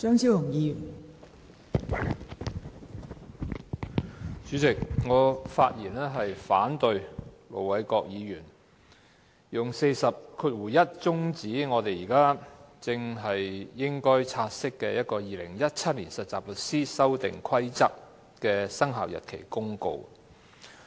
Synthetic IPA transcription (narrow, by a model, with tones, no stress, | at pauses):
t͡ʃœː˥ŋsi˥wlʊ˨˩ŋjiː˨˧jyː˨˩n | t͡ʃyː˨˥t͡sɪ˨k̚ŋɔː˨˧faː˧t̚jiː˨˩nɛː˥ɦɐ˨jfaː˨˥nt̪ɵ˨˧ɥlo̰˨˩wwɐ˨˧jkɔː˧k̚jiː˨˧jyː˨˩n | jʊ˨˩ŋse˧jsɐ˨p̚kʰyː˧t̚wuː˨˩jɐ˥t̚t͡sʊ˥ŋt͡siː˨˥ŋɔː˨˧t̪e˨jiː˨˩kaː˥t͡sɪ˧ŋɦɐ˨jːɪ˥ŋkɔː˥jt͡sʰaː˧t̚sɪ˥kːɛ̰˧jɐ˥t̚kɔː˧jiː˨lɪ̰˨˩ŋjɐ˥t̚t͡sʰɐ˥t̚liː˨˩nsɐ˨t̚t͡saː˨p̚lɵ˨k̚siː˥sɐ˥wt̪ɪ̰˨˩ŋkʰɐ˥jt͡sɐ˥k̚ | kɛː˧sɐ˥ŋɦa̰ː˨wjɐ̰˨t̚kʰe˨˩jkʊ˥ŋko̰˧w